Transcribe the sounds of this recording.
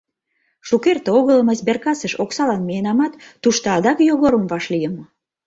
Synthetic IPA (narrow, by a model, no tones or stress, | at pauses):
ʃukert̪eoɣələ̆məsberkɑsəʃoksɑlɑnmejenɑmɑt̪ːuʃt̪oɑd̪ɑkjoɣoɾəmvɑʃlijəm